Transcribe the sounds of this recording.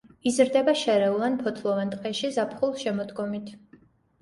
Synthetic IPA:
izɾd̪ɛbaʃɛɾɛulˠanpʰɔt̪ʰlˠɔvɛnt̪ʼqʼɛʃizapʰχulˠʃɛmɔd̪ɡɔmit̪ʰ

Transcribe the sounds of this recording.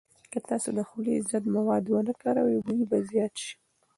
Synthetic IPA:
kət̪ɑsod̪əxulizat̪mawɑd̪wənəkɑɾawid̪ujbazijɑt̪ʃi̥

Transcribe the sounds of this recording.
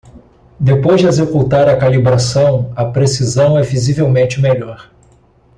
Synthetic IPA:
d̪epojzd͡ʒɪezekut̪aɾɐkalibɾasɐ̃w̃ɐpɾesizɐ̃w̃ɛvizivewmẽnt͡ʃɪmeʎɔɾ

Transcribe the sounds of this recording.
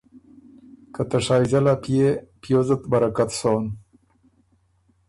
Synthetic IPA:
kat̪aʂɑːjzalapijepjozət̪baɾakat̪soːn

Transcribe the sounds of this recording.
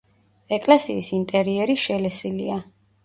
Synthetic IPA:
ɛkʼlɛsiːsint̪ʼɛɾiɛɾiʃɛlɛsilia

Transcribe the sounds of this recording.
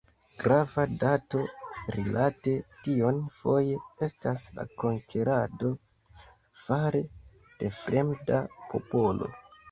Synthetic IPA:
ɡ̥ɾavadato̞ɾilʔate̞tio̞nfo̞je̞e̞stasla̰ko̞ŋkʰe̞ɾado̞ | faɾe | d̥e̞fɾʔe̞mdapʰo̞̰po̞lo̞̰

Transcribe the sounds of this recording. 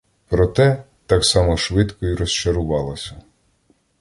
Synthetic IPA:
pɾɔt̪ɛ | t̪ɑksɑmɔʃʋɪt̪kɔiɾɔst͡ʃɐɾʊʋɑlˠɔsʲɐ

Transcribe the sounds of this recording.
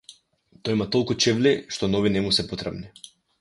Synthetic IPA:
t̪ɔjmat̪ɔlˠkut͡ʃɛvliʃt̪ɔnɔvinɛmusɛpɔt̪ɾɛbni

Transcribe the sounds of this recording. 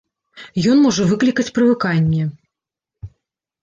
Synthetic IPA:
jɔnmɔʐɐvɨklʲikɐt͡sʲpɾɨvɨkanʲːɛ

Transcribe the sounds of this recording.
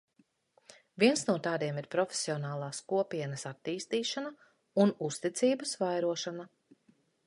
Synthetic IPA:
vʲiɛnsnuɔt̪aːd̪iɛmiɾpɾɔfʲe̥siɔnaːlˠɑːskuɔpiɛnɐsat̪ːiːst̪iːʃanɐ | unust̪it̪siːbɐsvajɾuɔʃana

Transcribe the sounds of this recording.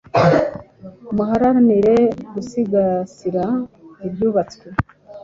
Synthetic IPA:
umuɦaɾaɾaniɾe̞ɡusiɡasiɾaibjuːβat͡swe

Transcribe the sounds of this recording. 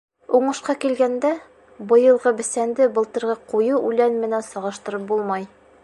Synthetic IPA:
uɴɤ̆ʃqɑkilɡænd̪æ | bɤ̆jɤ̆lˠʁɤbɘ̆sænd̪ɘbɤ̆lˠt̪ɤ̆ɾʁɤqujuʉlænmɘ̆nænsɒʁɤ̆ʃt̪ɤ̆ɾɤp̚bulˠmɑj

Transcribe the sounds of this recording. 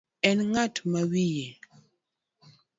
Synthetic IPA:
ɛnŋatmawije

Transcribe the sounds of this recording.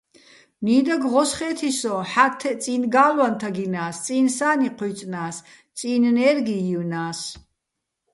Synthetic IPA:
niːd̪aɡʁɔsχɛːt̪ʰisɔħat̪ʰːɛt͡sʼinɡaːlwant̪ʰaɡinaːst͡s̪ʼinsaːniqʰwit͡sʼnaːs | t͡sʼinnɛɾɡiiwnaːs

